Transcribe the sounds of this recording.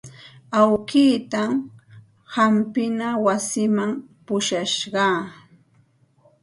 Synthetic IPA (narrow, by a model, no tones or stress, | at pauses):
awkiːt̪am | hampɪnawasɪmampʊʃaʃɢɑː